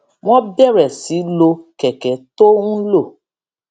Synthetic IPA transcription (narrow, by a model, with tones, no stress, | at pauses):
w̃ɔ̃˦bɛ˦˨ɾɛ˨si˨˦lo˧kɛ˨kɛ˨˦to˦ũ˦lo˦˨